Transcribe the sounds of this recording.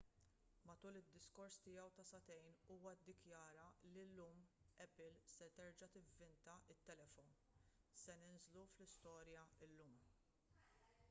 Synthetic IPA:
mɐt̪uːlɪd̪ːɪskɔɾst̪ɪjɐwt̪ɐsɐt̪ɛjnuːwɐd̪ːɪkjɐːɾɐlilːuːmɛpɪlsɛt̪ɛɾd͡ʒɐt̪ɪvːɪnt̪ɐʔɪt̪ːɛlɛfɔn | sɛnɪnzluflɪst̪ɔːɾjɐɪlːuːm

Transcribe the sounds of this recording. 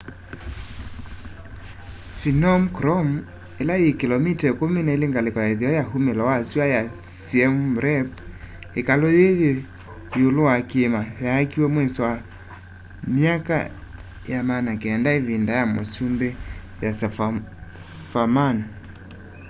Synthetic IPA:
finɔmkɾɔmu | elaekilɔmitakominaileŋɡalekɔjaiðiɔjaɦumelɔwasiaja | siɛmuɾɛp | ekalojeje | jolowakemahaːkiwɛmwɛsɔwa | miaka̰ | jamanakeɛndaeβindajamo̰sumbe | jas | faman

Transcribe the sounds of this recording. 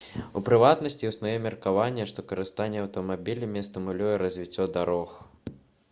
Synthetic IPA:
ṵpɾɨvat̪nɐsʲt͡sʲiwsnujɛmʲɛrkavanʲːɛʂt̪ɔkɐɾɨst̪anʲːɛɐwt̪ɐmabʲilʲɐmʲist̪ɨmulʲujɛɾɐzʲvʲit͡sʲːɔd̪aɾɔx

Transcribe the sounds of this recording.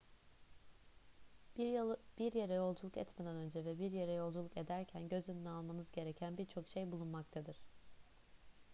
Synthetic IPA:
biɾje̞ɾɛjolˠd͡ʒulˠukɛ̰t̪me̞d̪ænø̞nd͡ʒɛvɛbiɾje̞ɾɛjo̞lˠd͡ʒulˠuke̞d̪æɾcʰænɟø̞zynynɛalˠmanɯzɟe̞ɾecʰænbiɾt͡ʃʰo̞kʃe̞jbulˠunmak̚t̪ʰad̪ɯɾ̥

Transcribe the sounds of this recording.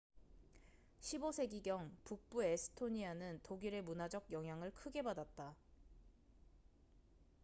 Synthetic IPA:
ɕʰibosʰe̞ɡiɡjʌŋpuk̚p͈uesʰɯ̥tʰoɲianɯntoɡiɾe̞munad͡ʑʌɡ̚jʌŋɦjaŋɯɭkʰɯɡe̞badat̚t͈a

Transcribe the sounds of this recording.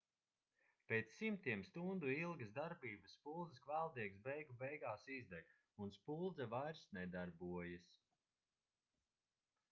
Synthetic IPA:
peːt̪sːimt̪iɛmst̪und̪uilˠɡɐzd̪aɾbiːbəsspulˠd̪zəskvælˠd̪iɛɡsbɛjɡubɛjɡaːsizd̪ɛɡ | unspulˠd̪zɛvajɾsnɛd̪aɾbuɔjɨs

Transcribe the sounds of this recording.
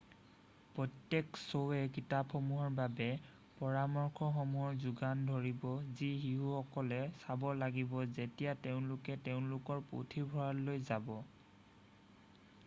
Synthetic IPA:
pɹɔtjeksowɛkitapxɔmuɦɔɹbabɛ | pɔɹamɔɹkʰɔxɔmuɦɔɹzuɡandʱoɹibɔzixiɦuxɔkɔlɛsabɔlaɡibɔzetijateʊ̃lʊkɛteʊ̃nlʊkɔɹpṵtʰibʱɔɹallojzabɔ

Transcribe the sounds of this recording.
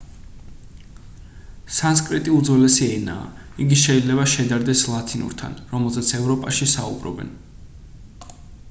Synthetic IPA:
sans̬kʼɾit̪ʼiud̪zwɛlɛsiɛna̰ːiɡiʃɛid̪lɛβaʃɛd̪aɾd̪ɛslˠat̪ʰinṵɾt̪ʰa̰nɾɔmɛlˠzɛt̪sʰɛvɾɔpʼaʃisa̰ṵbɾɔ̰bɛ̰n

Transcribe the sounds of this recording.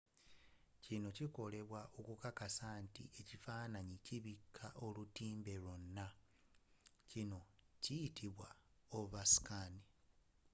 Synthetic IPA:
cino̞ciko̞le̞βwaʔokukakasantḭe̞cifaːnaɲiciβikʰːaʔo̞lutiːmbe̞lonːa | cino̞cijitʰiβwaouβasi̥kaːni

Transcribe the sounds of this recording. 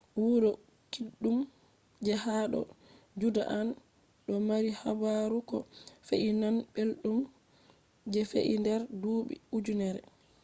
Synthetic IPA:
wuɾɔ | kiɗːum | d͡ʒɛhaɗɔ̰ | d͡ʒuda̰ʔan | ɗɔmaɾihabaɾukɔfeʔinanɓelɗum | d͡ʒɛfḛʔindɛɾduːɓḭud͡ʒunɛɾɛ̰

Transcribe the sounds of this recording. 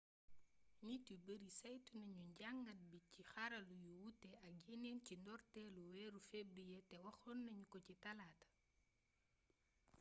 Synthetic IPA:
ɲitubəɾisɐjtunɐɲuɲɟaŋɡɐt̚bicixɐɾɐlujuwutːɛɐɡinencindɔɾtɛluwɛɾufebɾijetɛwɐxɔnːɐɲukɔcitɐlaːt

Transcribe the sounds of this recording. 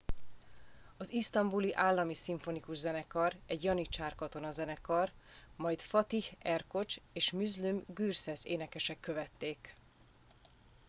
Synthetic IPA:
ɒzist̪ɒmbuliʔaːlːɒmisiɱfo̞nikuʒzɛnɛkɒrɛɟjɒnit͡ʃaːrkɒt̪o̞nɒzɛnɛkɒr | mɒjt̪fɒt̪ihɛrko̞t͡ʃeːʃmyzlymɡyːrsɛzḛːnɛkɛʃɛkːø̞vɛt̪ːeːk

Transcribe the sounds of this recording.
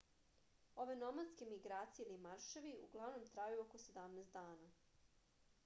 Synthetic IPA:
o̞ʋe̞nomad̪ske̞miɡɾaːt̪sijelimaɾʃeʋiuɡlˠaʋno̞mt̪ɾajuokosed̪amneːst̪d̪aːna

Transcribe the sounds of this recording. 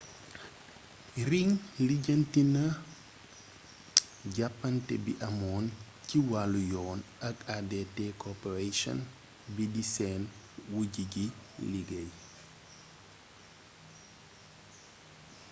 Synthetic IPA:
riŋliɟəntinɐ | ɟapːɐntɛbḭʔɐmɔːn | ciwalujɔːnɐkadɛtɛkɔpɛɾeʃɔ̰n | bidisɛːn | wuɟiɟiliɡɐj

